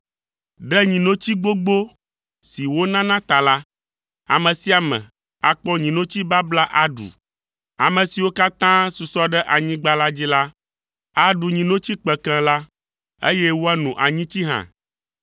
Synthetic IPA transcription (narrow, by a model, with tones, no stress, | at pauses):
ɖɛ˦ɲĩ˨nõ˦t͡ɕi˦ɡ͡bo˦ɡ͡bo˦ | si˨wo˦nã˦nã˦t̪a˨la˦ | a̰˨mɛ̃˨si˦a˨mɛ̰̃˨ | a˨k͡pɔ̃˦ɲĩ˨nõ˦t͡ɕi˦ba˦bla˦ʔa˦ɖṵ˨ | a˨mɛ̃˨si˨wo˦ka˦t̪ã˦su˨sɔ˦ɖɛ˦ʔa˨ɲĩ˦ɡ͡ba˦la˦d͡ʑi˦la˦ | a˨ɖu˨ɲĩ˨nõ˦t͡ɕi˦k͡pɛ˨kɛ̃˨la˦ | ḛ˦jɛ˦wo˦a˦nũ˨ʔa˨ɲĩ˦t͡ɕi˦ɦã̰˨